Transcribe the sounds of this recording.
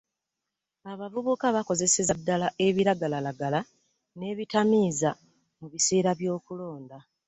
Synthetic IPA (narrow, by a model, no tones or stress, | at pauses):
aβavuβukaβako̞ze̞sezadːalaʔe̞βiɾaɡalalaɡala | ne̞ːβitamiːza | muβise̞ːɾaβjo̞ːkulo̞ːnda